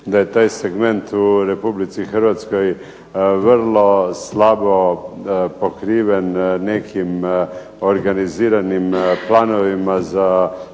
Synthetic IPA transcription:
d̪ajet̪aːjseɡment̪uɾepublit̪sixɾʋat̪skoj | ʋəɾlˠoslabo | pokɾiːʋenːekʰim | oɾɡaniziːɾanimplaːnoʋimaza

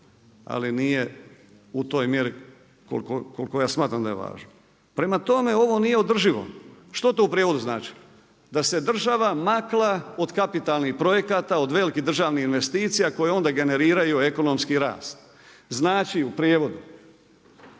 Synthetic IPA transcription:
a̰linije̞ | ut̪o̞ːjmje̞ɾi | ko̰lkokolkojaːsmaːt̪ɾamd̪aje̞̰ʋa̰ːʒno | pɾe̞mat̪o̞me̞o̞ʋo̞nije̞od̪r̩ʒiʋo̞̰ʃt̪ot̪o̞upɾjeʋo̞d̪uznaːt͡ʃi̥ | d̪ase̞d̪r̩ʒaʋamaklˠao̞d̪kapit̪alˠnixpɾo̞je̞kat̪ao̞d̪ʋe̞likid̪r̩ʒaːʋniinʋe̞st̪iːt̪sijako̞jeo̞nd̪aɡe̞ne̞ɾiːɾajue̞ko̞no̞mskiɾa̰ːst̪ | znaːt͡ʃiupɾjeːʋo̞d̪u

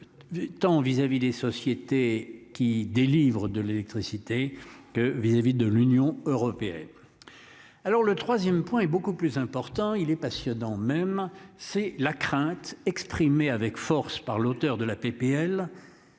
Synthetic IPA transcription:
t̪ɑ̃vizavid̪esɔsjet̪ekʲid̪elivʁəd̪əlelɛk̚t̪χisit̪ekəvizavid̪əlynjɔ̃øʁɔpeɛ̰n | alɔʁlət̪χwazjɛmpwɛ̃ɛbokuplyzɛ̃pɔʁt̪ɑ̃ilɛpasjɔnɑ̃mɛmsɛlakχɛ̃t̪ɛkspχimeavɛkfɔʁspaʁlot̪œʁd̪əlapepeɛl

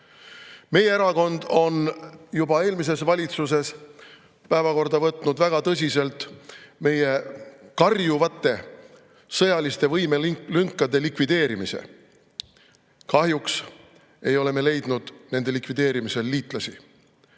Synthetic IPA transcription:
me̞jeeɾɑko̞nd̪̥o̞njubɑe̞ːlmis̬e̞svɑlʲit̪sus̬e̞s | pæevɑko̞rd̪ɑvɤt̪ˑnud̪væɡ̥ɑt̪ɤs̬ʲise̞lt̪ˑme̞je̞kɑrjuvɑt̪ːˑe̞ | sɤjɑlist̪e̞vɤjmelyŋkːˑɑd̪e̞likvid̪e̞ːɾimisḛ | kɑɦjuks | e̞jo̞le̞me̞le̞jd̪̥nud̪̥ne̞nd̪e̞likvid̪̥e̞ːɾimise̞lːiːt̪ˑlɑsḭ

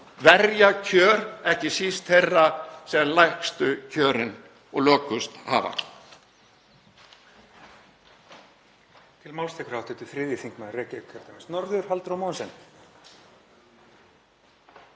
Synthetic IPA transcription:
vɛɾjacʰœːɾɛhcɪsist̪hejrːasɛðanlajhkst̪ʏcʰœːɾɪn | ɔɣlœːkʏst̪ha̰ːva̰ | t̪ʰɪlmawlst̪ɛkɾawt̪ɛt̪ʏfɾɪːðjɪθiŋkmanrɛːcɪkʰɛɾt̪amɪnsnɔɾðʏɾ̥alt̪ɾawmawnsɛn

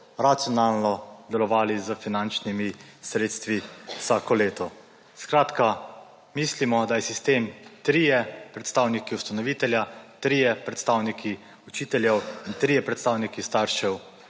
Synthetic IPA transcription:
ɾat̪sjɔnaːlnɔd̪ɛlɔʋaːlizəfinant͡ʃnimi | sɾeːt̪st̪ʋiwsaːkɔleːt̪ɔ | skɾaːt̪ka | miːslimɔd̪ajɛsist̪eːmt̪ɾiːjɛpɾɛt̪st̪aːwnikiwst̪anɔʋiːt̪ɛljat̪ɾiːjɛpɾɛt̪st̪aːwnikʰi | ut͡ʃiːt̪ɛljɛwint̪ɾiːjɛpɾɛt̪st̪aːwnikist̪aːɾʃɛw

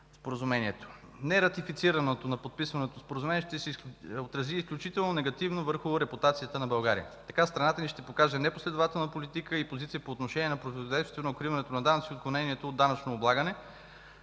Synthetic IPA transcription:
spoɾəzumɛnʲiɛt̪o̥ | nɛɾɐt̪ifit̪siɾɐnot̪onɐpot̪̚pisvɐnot̪ospoɾəzumɛnʲiɛʃt̪ɛsot̪ɾɐziːsklʲut͡ʃit̪ɛlˠnonɛɡɐt̪ivnovəɾxʊɾɛput̪at̪sijət̪ənɐbɐlˠɡaɾḭjə̰t̪ɐkast̪ɾɐnat̪əniʃt̪ɛpokaʒɛnɛposlɛd̪ʊvat̪ɛlˠnəpolit̪ikəipozit̪sijəpoːt̪noʃɛnʲiɛnɐpɾot̪ivod̪ɛjst̪vonɐokɾivɐnɛt̪onɐd̪anɐt̪siot̪̚klˠonɛniɛt̪oːd̪ːanɐt͡ʃnoːblˠaɡənɛ

